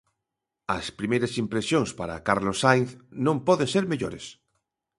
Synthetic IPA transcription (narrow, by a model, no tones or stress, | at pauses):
ɐspɾimejɾɐsimpɾesjoŋspaɾa̰kaɾlosajnθnõmpɔðẽŋseɾmeʎoɾes